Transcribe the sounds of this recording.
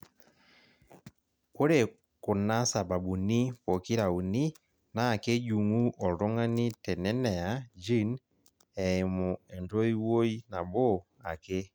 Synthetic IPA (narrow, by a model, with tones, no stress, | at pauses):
ko˦ɾe˨ | ko˨na˦sa˨βa˨bu˨ni˦po˨ki˦ɾa˨u˨ni˦ | naː˦˨ke˦ɟu˨ŋu˦ʔɔ˨ɾo˦ŋa˦ni˦tɛ˨nɛ˦nɛ˨a˨d͡ʒi˦n | ɛ˨e˨mo˨ɛ˨nto˦i˦wo˦i˦na˨βo˦ | a˨ke˦